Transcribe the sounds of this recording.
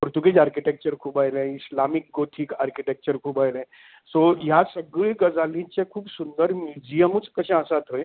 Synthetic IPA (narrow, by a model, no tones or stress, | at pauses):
puɾt̪uɡid͡ʒaɾkiʈek̚t͡ɕəɾkʰuːbaːjlẽislamik̚ɡot̪ʰikaɾkiʈek̚t͡ɕəɾkʰuːbajlẽ | sojasəɡɭiɡɐzaːlĩt͡ʃekʰuːbsund̪əɾmjuːd͡ʒijəmut͡skɐɕẽasat̪ɦoe